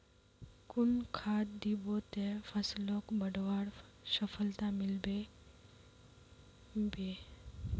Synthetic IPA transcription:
kʊnkʰad̪d̪ibot̪ẽpʰəslɔkbəɖwaɽsəpʰəlt̪amɪlbe | be

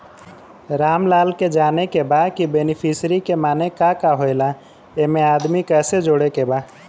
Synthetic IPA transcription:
ɾaːmlaːlked͡ʒaːnekebakibenipʰisɾikemaːnekakaɦoela | emẽaːd̪mikɛːsed͡ʒoːɽekeba

